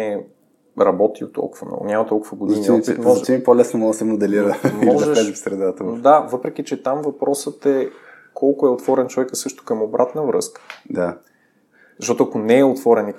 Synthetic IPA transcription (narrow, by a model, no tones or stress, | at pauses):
ɛ | ɾɐbɔt̪io̰t̪ːɔ̰lˠkʊvə̰mnɔ̰ɡʊ̰nʲamɐt̪ɔlˠkʊvəɡod̪zɐinip̪it̪mɔimipolɛsnomɔəsɛmod̪ɛliɾəmiɔʒɛɛzifsɾɛd̪at̪od̪avɤpɾɛk̟it͡ʃɛt̪amvɐpɾɔsət̪ɛ | kʰɔlˠkʊɛot̪vɔɾɛnt͡ʃovɛkəsɤʃt̪ʊ̥kəmobɾʔat̪nəvɾɤ̰skə̥d̪a | zɐʃtɔt̪ʊɐkonɛːot̪vɔɾɛni